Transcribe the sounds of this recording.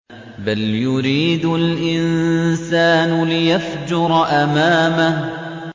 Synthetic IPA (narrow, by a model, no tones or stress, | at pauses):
baljʊɾiːd̪ʊlʔɪnsaːnʊlɪjafd͡ʒʊɾˤɑʔamaːmah